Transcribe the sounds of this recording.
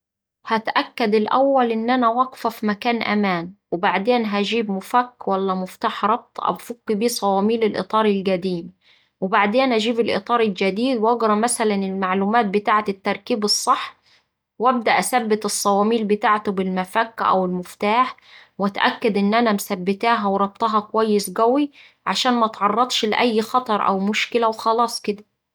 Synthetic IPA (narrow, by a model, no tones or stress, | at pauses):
hæt̪ʔækːad̪ɪlʔæwːælʔɪnːʔænæwɑɡfæfimækaːnʔæ̰mæːnwɪbaʕd̪eːnɦæʒiːbmʊfækːwælːæmʊft̪aːħɾˤɑb̚t̪ˤʔæ̰wfʊkːibiːsˤɑwɑːmiːlɪlʔɨ̰t̪ˤɑːɾˤɪlɡæd̪iːm | wɪbaʕd̪eːnʔæʒiːbɪlʔɨ̰t̪ˤɑːɾˤɪld͡ʒæd̪iːd̪wʔɑɡɾˤɑmæsælænɪlmaʕluːmaːt̪̚bɪt̪aːʕat̪ɪt̪ːɑɾˤkiːbɨsˤːɨħː | wæb̚d̪æʔæsæbːɪt̪ɨsˤːɑwɑːmiːlbɪt̪aːʕt̪ʊbɪlmæfækːʔæ̰wɪlmʊft̪aːħwæt̪ʔæ̰kːæd̪ʔɪnːʔænæmsæbːɪt̪æːɦæwɾˤɑb̚t̪ˤɑɦɑkowæjːɪsɡæwi | ʕaʃæːnmæt̪ʕɑrˤːɑt̪ˤʃlɪʔæjːxɑt̪ˤɑɾˤʔæ̰wmʊʃkɪlæwxɑlɑːsˤkɪd̪æ